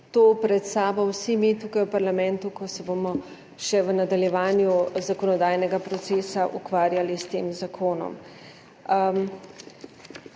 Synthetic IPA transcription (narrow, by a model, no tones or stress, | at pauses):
t̪oːpɾɛt̪st̪aːbawsimit̪uːkajwpaɾlamɛ̃nt̪ukɔsɛbomɔ | ʃɛʋənad̪aljɛʋaːnjuzakɔnɔd̪ajnɛɡapɾɔt̪seːsaʔukʋaːɾjalist̪eːmzakʰoːnɔ̰m